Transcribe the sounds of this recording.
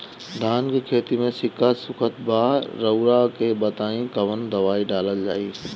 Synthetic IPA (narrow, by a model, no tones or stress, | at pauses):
d̪ʱaːnkekʰeːt̪imẽsɪkəsʊkʰət̪baːɾɐʊɾakʰeːbɐt̪aːĩkɐʋənd̪ɐʋaːiɖaːləld͡ʑaːiː